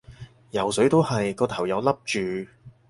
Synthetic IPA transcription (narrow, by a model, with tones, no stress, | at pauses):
jɐ˨˩wsɵ˨˥ɥt̪o˥whɐ˨jkɔː˧t̪ʰɐ˨˩wjɐ˨˧wlɐ˥p̚t͡ʃyː˨˧